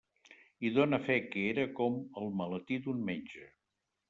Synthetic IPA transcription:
iðonəfɛkeeɾəkɔməlˠmələt̪id̪unmeɲʲd͡ʒə

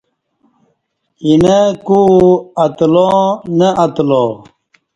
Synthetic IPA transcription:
inekuɐt̪lõneɐt̪loː

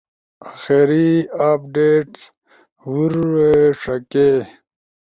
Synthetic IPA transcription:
axeɾiap̚ɖeːʈs | wuɾweʂɐke

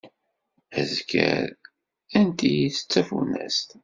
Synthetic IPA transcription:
æzkæ̰ɾ | ænt̪ijiθə̥t͡sːæfunæst̪

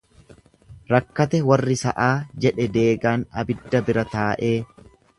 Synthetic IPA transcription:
ɾɐkːɐt̪ɛwɐrːɪsɐ̰ʔaːd͡ʒɛᶑɛd̪eːɡaːnɐ̰bɪd̪ːɐbɪɾɐt̪aːʔe̞ː

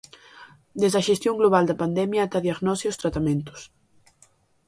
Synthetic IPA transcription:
d̪ezðɐʃest̪joŋɡloβ̞ald̪ɐpand̪ɛmjɐːt̪aðiaɣnɔsiʊst̪ɾat̪amẽnt̪ʊ̥s

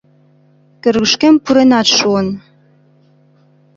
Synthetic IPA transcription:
kɘ̆rɣə̆ʃkempuɾenɑt̪ʃuən

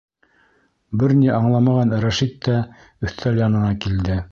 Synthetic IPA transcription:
bɘɾniʔɑɴlˠɑmɑʁɑnɾæʃit̪ːæ | ɵ̆θt̪ʰæljɑnɤ̆nɑkild̪ɘ

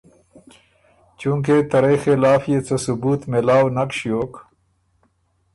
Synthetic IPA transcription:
t͡ɕũŋk̬et̪ɐɾɐjxelaːfjet͡sɐsubuːt̪melaːwnɐkɕjoːk

